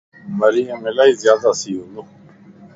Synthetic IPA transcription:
məɾijə̃melaːiːzjaːd̪asiːɦunu

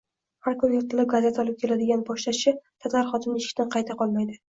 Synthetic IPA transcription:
haɾkʰʊnjʊɾt̪ɨlɪp̚ɡaze̞t̪ʰɒlˠɪp̚kʲʰe̞lad̪ɪɡʲanbɒʃlaʃɪt̪ʰat̪aɾχɒt̪ʰɪmnɪeʃɪ̥kʲt̪anqʰɑajt̪ʰaqʰɒlˠmajd̪ɪ

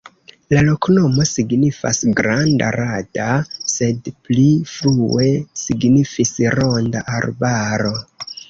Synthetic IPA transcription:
lalo̞kno̞mo̞siɡnifa̰sɡɾanda̰ɾadase̞dplifɾue̞siɡnifisɾo̞ndaʔaɾbaɾo̞

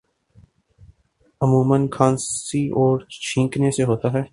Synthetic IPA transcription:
əmũːmənkʰãːnsiʔɔːɾt͡ʃʰĩːkneseɦoːt̪aɦɛː

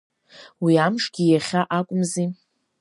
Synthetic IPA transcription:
wiamʂɡʲijaχʲaʔakʷʼʊmzi

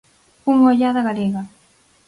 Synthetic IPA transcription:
uŋoʎaðaɣaleɣa

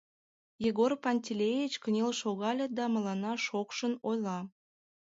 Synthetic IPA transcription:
jeɣorpɑnʲt̪ʲilʲejit͡ɕkənʲelʃoɣɑlʲɤd̪ɑmə̆lɑnɑʃokʃənojlɑ

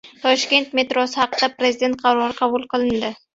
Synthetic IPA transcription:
t̪ʰɒʃkʲe̞nt̪me̞t̪ɾɒsɪhɑqɨd̪̥apɾe̞zɪd̪e̞nt̪̚qʰɑɾɒɾɨqʰɑbʊlˠqʰɨlˠɪnd̪ɪ

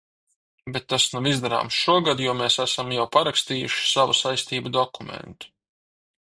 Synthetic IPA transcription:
bet̪ːasnuvizd̪aɾa̰ːmsʃuɔɡad̪juɔmeːsæsamjawpaɾakst̪iːjṵʃi̥savṵsajst̪iːbud̪ɔkumḛnt̪u̥

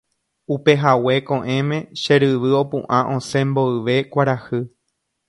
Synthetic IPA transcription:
upe̞ɦawe̞kõʔẽ̞mẽ̞ʃe̞ɾɨʋɨo̞pṵ̃ʔãʔõ̞sẽ̞mbo̞ɨʋe̞kʷaɾahɨ

